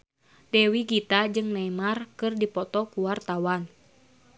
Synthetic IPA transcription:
dɛwiɡit̪ad͡ʒɨŋnɛmarkɨrdipɔt̪ɔkuwart̪awan

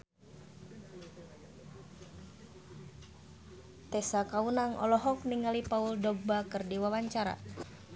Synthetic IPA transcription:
t̪ɛsakaunaŋʔɔ̰lɔɦɔk̚niŋalipauldɔɡ̚bakɨrdiwawaɲt͡ʃaɾa̰

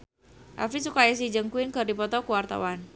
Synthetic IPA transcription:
ʔa̰fisukajas̬id͡ʒəŋkuɪnkərdipɔt̪ɔkuwart̪a̰wan

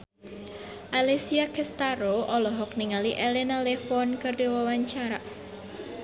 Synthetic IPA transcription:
ʔalesiakʰɛst̪aɾoʔɔlɔɦɔk̚niŋaliʔɛlɛnalefɔnkərdewɔwaɲt͡ʃaɾaʔ

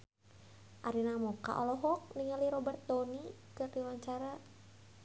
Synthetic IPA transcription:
ʔaɾinamɔka̰ʔɔ̰lɔɦɔk̚niŋaliɾɔbɛrt̪̚d̪ɔnikərriwaɲt͡ʃaɾa

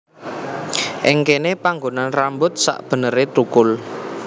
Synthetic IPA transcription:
ʔɪŋkenepaŋɡonanrambʊt̪̚sa̰ʔb̥ə̤nəɾet̪ɾukʊl

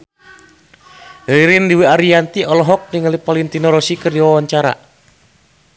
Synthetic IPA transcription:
əiɾindiwiaɾiant̪iɔlɔɦɔk̚niŋalipalint̪inɔɾɔsikɨrdiwawaɲt͡ʃaɾa̰

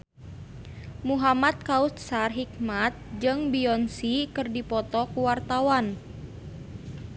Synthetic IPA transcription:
muɦamat̪̚kaut̪̚sarɦik̚mat̪̚d͡ʒɨŋbiɔnsikɨrdipɔt̪ɔkuwart̪awan

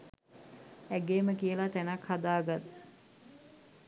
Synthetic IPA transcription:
æɡeːməkijəlat̪ænakhad̪aːɡat̪

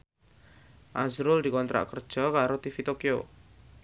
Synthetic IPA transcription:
ʔazɾʊld̪i̤kɔnt̪ɾa̰ʔkərd̥ʒ̥ɔ̤kaɾot̪ifit̪okio

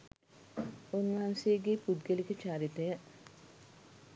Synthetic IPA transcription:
unʋɐɦansejəɡepud̪ɡelikət͡ʃaːɾit̪əjə

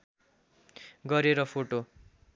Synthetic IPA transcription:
ɡʌɾeɾʌpʰoʈo

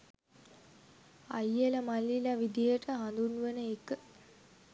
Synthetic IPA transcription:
a̰jeləmalːilaʋid̪ijeʈəɦand̪unuʋenəekːə

